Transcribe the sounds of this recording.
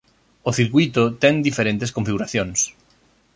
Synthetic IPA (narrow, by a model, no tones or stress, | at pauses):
oθiɾkwit̪ot̪ɛŋd̪ifeɾẽnt̪eskõɱfiɣuɾaθjõŋs